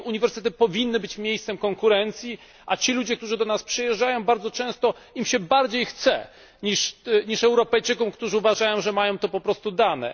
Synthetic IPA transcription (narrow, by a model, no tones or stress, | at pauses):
uɲivɛɾst̪ɛt̪ɘpɔvʲinːɘbɘt͡ɕmʲjejst̪sɛmkɔŋkuɾɛnt̪sʲji | ʔat͡ɕilud͡ʑɛk̚t̪uʐɘd̪ɔnaspʂɨjɛʐd͡ʐajɔ̃w̃baɾdzɔt͡ʂɛ̃w̃st̪ɔ | imɕɛbaɾd͡ʑejxt̪sɛ̰ | ɲiʂɲiʂɛwɾɔpɛjt͡ʂɘkɔmkt̪uʐɘuvaʐajɔ̃w̃ʐɛmajɔ̃w̃t̪ɔpɔpɾɔst̪ud̪anɛ̰